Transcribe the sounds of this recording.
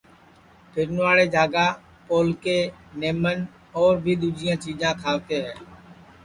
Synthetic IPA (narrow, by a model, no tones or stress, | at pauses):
pʰɪɾnʋaːɽeːd͡ʒʱaːɡaː | poːlkeːneːmən | ɔːɾbʱiːd̪uːd͡ʒɪjãːt͡ʃiːd͡ʒãːkʰaːʋt̪eːɦɛː